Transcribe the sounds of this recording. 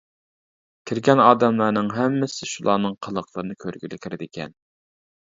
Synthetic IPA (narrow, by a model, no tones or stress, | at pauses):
kʲʰiɾɡʲɛnɑːd̪ɛmlˠɑɾnɨŋɦɛmːɪsɪʃulˠɑːnɨŋqʰəlˠəqʰlˠəɾɨnɨkʲʰøɾɡʲylɪkʲʰiɾɪd̪ɪkʲʰɛ̰n